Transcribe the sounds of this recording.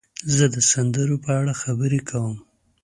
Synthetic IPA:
zəd̪əsand̪əɾopəaɽaxabəɾekʰawəm

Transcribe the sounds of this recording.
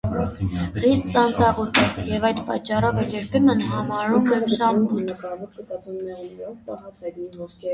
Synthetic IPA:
χist̪̚t͡sɑnt͡sɑʁut̪ʰjɛvɑjd̪pɑt͡ʃːɑrɔvɛljɛɾpʰɛmənɦɑmɑɾumɛmʃɑmbut̪

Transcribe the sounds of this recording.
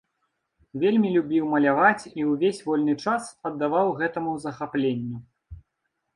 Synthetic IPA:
vʲelʲmʲilʲubʲiwmɐlʲavat͡sʲiwvʲesʲvɔlʲnɨt͡ʂasɐd̪ːavawɣɛt̪ɐmuzɐxaplʲenʲːu

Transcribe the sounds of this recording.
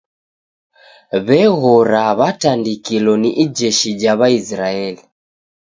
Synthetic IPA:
βɛɣɔɾaβatandikilɔniʔid͡ʒɛʃid͡ʒaβaisɾaɛli

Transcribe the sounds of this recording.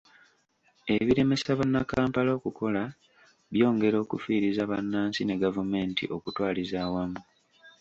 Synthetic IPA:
e̞βiɾe̞me̞saβanːakaːmpalokukʰo̞la | βjo̞ːŋɡe̞ɾo̞ːkufiːɾizaβa̰nːaːnsine̞ɡavume̞ːntʰḭʔo̞kutwaːlizaːwamu

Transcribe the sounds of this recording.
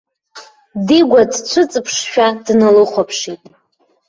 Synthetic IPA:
diɡʷadt͡ɕʷʰʊɨt͡sʼɨpʰʂʃᶣadnɨlɨχʷapʰʂitʼ

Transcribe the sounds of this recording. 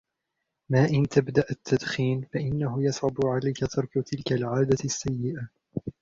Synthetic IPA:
maːʔɪnt̪abd̪aʔat̪ʰːad̪xiːnfaʔɪnːaɦʊjɑsˤʕʊbʊʕalajkat̪ʰɑɾˤkʊt̪ʰɪlkalʕaːd̪asːajːɪʔa

